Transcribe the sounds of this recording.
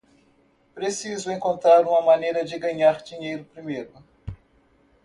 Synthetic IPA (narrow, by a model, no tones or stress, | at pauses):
pɾesizʊẽŋkõnt̪ɾaɾũmɐmanejɾɐd͡ʒɪɡɐɲaɾd͡ʒiɲejɾʊpɾimejɾʊ